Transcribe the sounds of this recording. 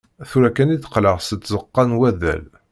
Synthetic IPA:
θuɾækæniθə̥qləʁsət͡sːzəqːɑnwæðæ̰l

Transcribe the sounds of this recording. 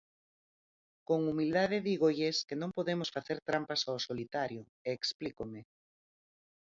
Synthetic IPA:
koŋumild̪aðɪðiɣoʎeskenõŋpoðemʊsfaθeɾt̪ɾampasawsolit̪aɾjo | eːksplikomɪ

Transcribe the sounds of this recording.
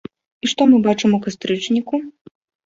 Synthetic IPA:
iʂt̪ɔmɨbat͡ʂɨmukɐst̪ɾɨt͡ʂnʲiku

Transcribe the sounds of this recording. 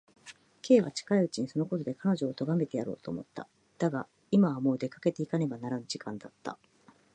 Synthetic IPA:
kʰe̞ːβa̰t͡ɕi̥kaiɯt͡ɕiɲ̟iso̞no̞kot̪o̞d̪e̞kano̞ʑo̞ːt̪o̞ɡame̞t̪e̞jaɾo̞̰ːt̪o̰ːmo̞̰t̪ːa̰ | d̪̥aɡa | imaβamo̞ːd̪e̞kḁke̞t̪e̞ikane̞banaɾanɯʑikãnd̪at̪ːa̰

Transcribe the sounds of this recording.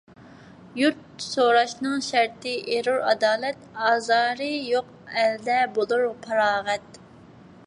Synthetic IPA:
juɾt̪soɾɑʃnɨŋʃæɾt̪ʰɪʔeɾuɾɑd̪ɑːlˠɛt̪ɑːzɑːɾɨjoq | ɛld̪ɛbolˠuɾpʰɑɾɑːʁɛt̪

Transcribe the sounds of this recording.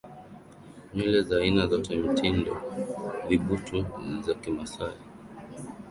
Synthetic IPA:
milɛzaːinazatɛm̩tʰindɔ̰viɓutʰuzakimasai

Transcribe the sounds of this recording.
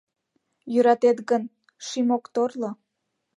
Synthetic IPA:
jyɾɑt̪et̪ɣən | ʃimokt̪orlo

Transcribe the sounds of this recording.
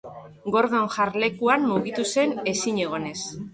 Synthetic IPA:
ɡo̞ɾðo̞ŋʝaɾle̞kuanmuɣit̪use̞ne̞siɲe̞ɣ̞o̞ne̞s

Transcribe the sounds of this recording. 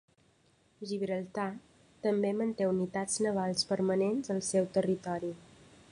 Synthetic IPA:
ʒiβɾəlˠt̪a | t̪əmbemənt̪eunit̪ad͡znəβ̞alˠspəɾmənenzəlˠsɛwt̪ərit̪ɔɾi

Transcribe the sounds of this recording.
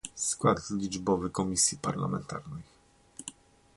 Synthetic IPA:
skwad̪zlʲid͡ʐbɔvɘkɔmʲisʲjipaɾla̰mɛnt̪a̰ɾnɛj

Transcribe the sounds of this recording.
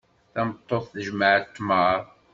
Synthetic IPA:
θæmt̪ˤːoθθəʒməʕət̪ːma

